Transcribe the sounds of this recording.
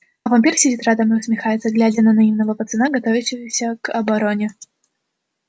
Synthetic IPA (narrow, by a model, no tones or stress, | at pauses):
ɐvɐnʲpʲirsʲidʲit̪rad̪əmɨʊsmʲɪxajɪt̪səɡlʲædʲənənɐimnəvəpət̪sɨnaɡɐt̪ovʲɪɕɪvəsʲəkɐbɐɾonʲɪ